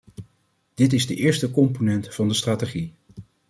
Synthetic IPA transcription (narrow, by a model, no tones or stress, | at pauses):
d̥ɪtɪzdəʔɪːɹstəkɔmponɛntfɑndəstraːteχi